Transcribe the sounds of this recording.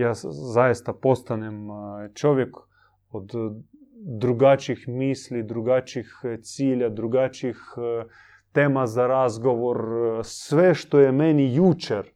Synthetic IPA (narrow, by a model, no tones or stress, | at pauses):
jaːzajst̪apost̪anɛmt͡ʃoʋjɛk | od̪ | d̪ɾuɡat͡ʃixmiːslid̪ɾuɡat͡ʃixt̪siːlʲad̪ɾuɡat͡ʃix | t̪eːmazaɾazɡoʋoɾsʋɛʃt̪ojɛmɛnijut͡ʃɛɾ